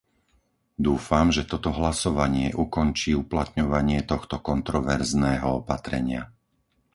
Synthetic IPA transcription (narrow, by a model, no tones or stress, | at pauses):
d̪uːfamʒɛt̪ɔt̪ɔɦlasɔʋaɲɪɛʔukɔnt͡ʃiːuplat̪ɲɔʋaɲɪɛt̪ɔxt̪ɔkɔnt̪ɾɔʋɛɾznɛːɦɔɔpat̪ɾɛ̰ɲɪa